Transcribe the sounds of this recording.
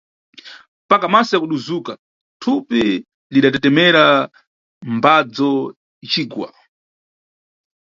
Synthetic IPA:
mpakamasɔjakuɗuzuka | tʰupi | liɗatɛtɛmɛɾa | mbad͡zɔ | t͡ʃiːɡwa̰

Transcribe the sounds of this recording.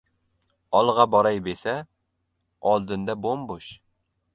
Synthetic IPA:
ɒlˠʁɑbɒɾajbesa | ɒlˠd̪ɪnd̪abombʊʃ

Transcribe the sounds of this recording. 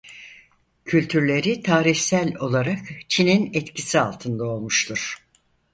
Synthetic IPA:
cʰylʲt̪ʰyɾlʲe̞ɾit̪ʰaːɾiçsælʲo̞lˠaɾakt͡ʃʰininɛt̪cʰisia̰lˠt̪ʰɯnd̪ao̞lˠmuʃt̪ʰuɾ̥

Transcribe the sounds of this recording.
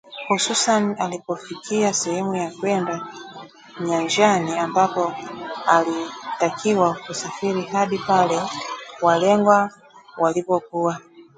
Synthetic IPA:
hususanialipɔfikiasɛhɛmujakwɛnda | ɲaɲd͡ʒaniambapɔalitakʰiwakusafiɾiɦaɗipalɛwalɛŋɡwa | walipɔkuwa

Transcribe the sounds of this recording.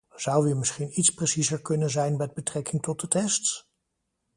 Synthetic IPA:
z̥ʌwʋiːmɪsχinitspresizəɹkɵnənzɛjnmɛd̚bətrɛkɪŋtɔt̚dətɛsts

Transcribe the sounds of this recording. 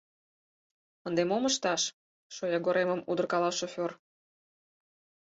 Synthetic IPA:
ənd̪emoməʃt̪ɑʃ | ʃojɑɡoɾeməmud̪ərkɑlɑʃofʲor

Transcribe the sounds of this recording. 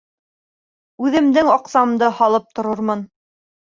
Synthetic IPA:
ʉðɘ̆md̪ɘŋɑqsɑmd̪ɤhɑlˠɤp̚t̪ŏɾɤɾmɤn

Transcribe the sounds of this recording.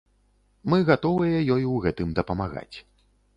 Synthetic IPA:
mɨɣat̪ɔvɨjɐjɔjwɣɛt̪ɨmd̪ɐpɐmaɣa̰t͡sʲ

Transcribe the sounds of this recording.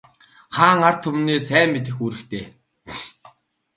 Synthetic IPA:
χaːŋar̥t̪ʰɵmniːsæːmːit̪̬ɘ̆xuːɾɘ̆kt̪ʰeː

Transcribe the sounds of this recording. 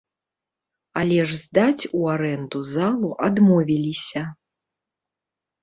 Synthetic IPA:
alʲɛʐzʲd̪at͡sʲuaɾɛnd̪uzalˠuʔad̪mɔvʲilʲisʲɐ

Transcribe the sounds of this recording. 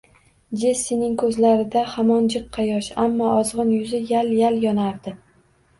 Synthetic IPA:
d͡ʒe̞sːinɪŋkʰɵzlaɾɪd̪ahamɒnd͡ʒɨqʰːɑjɒʃamːɒɒzʁɨnjʊzɪjaljaljɒnaɾd̪ɪ

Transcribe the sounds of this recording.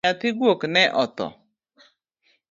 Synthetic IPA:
atɪɡwoknɛʔɔtɔ̰

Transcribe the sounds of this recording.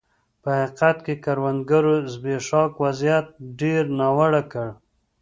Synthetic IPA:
pəhaqat̪kekaɾwand̪ɡaɾozbeʂɑkwazijat̪̚ɖeɾnɑwaɽakəɽ

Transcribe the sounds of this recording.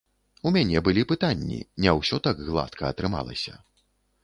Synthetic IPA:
umʲanʲɛbɨlʲipɨt̪anʲːḭnʲɛwsʲɔt̪aɡɣlˠa̰t̪kʰɐɐt̪ɾɨma̰lˠɐ̰sʲɐ̰

